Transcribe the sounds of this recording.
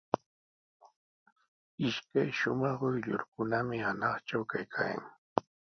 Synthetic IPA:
ɪʃkajʃʊmɑχʊjʎʊ̰ɾkʊnamɪhanɑχʈ͡ʂawkajkʰaːja̰ŋ

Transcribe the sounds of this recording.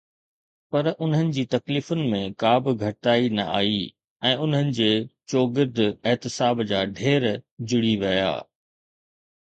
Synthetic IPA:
pɐɾʊn̤ɦənɪ̆d͡ʑiːt̪ɐkliːfʊnɪ̆mẽkaːbɪɡʱɐʈaːinɐ̰ʔa̰ːi | ɛ̃ːʊn̤ɦənɪ̆d͡ʑeːt͡ɕoːɡɪɾd̪ʱɛɦt̪ɪsaːbd͡ʑaːɖʱeːɾd͡ʑʊɽiʋɐja̰ː

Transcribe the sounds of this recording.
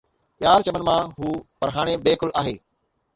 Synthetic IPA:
pjaːɾt͡ɕɐmənɪmãːɦuːpɐɾɦaːɽ̃ebeːkʊlʔaːɦeː

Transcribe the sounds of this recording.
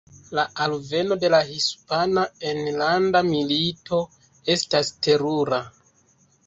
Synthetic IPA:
laalve̞no̞de̞lahispanaenlandamilito̞ | e̞staste̞ɾuɾa

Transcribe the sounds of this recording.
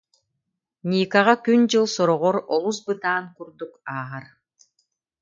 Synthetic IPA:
nʲiːkaʁakynd͡ʑɯlˠsɔɾɔʁɔɾɔlˠusbɯt̪aːnkuɾd̪ukaːʁaɾ

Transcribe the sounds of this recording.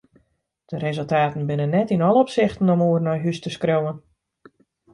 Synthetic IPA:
d̥əɾezəlˠtaːtn̩bɪnənːɛtinɔlˠəɔpsɪxtən̩ɔmoərnɔjɦystəskrowən

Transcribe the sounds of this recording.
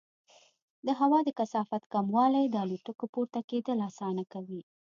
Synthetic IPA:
d̪əɦawɑd̪əkasɑfat̪kamwɑlajd̪əɑluʈəkopuɾt̪aked̪əlasɑnakawi

